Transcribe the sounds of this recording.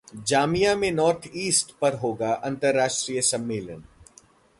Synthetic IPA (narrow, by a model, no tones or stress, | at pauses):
d͡ʒaːmijamẽnɔːɾt̪ʰiːsʈpɐɾɦoːɡaʔɐ̃nt̪əɾːaːʃʈɾijəsɐmːeːlən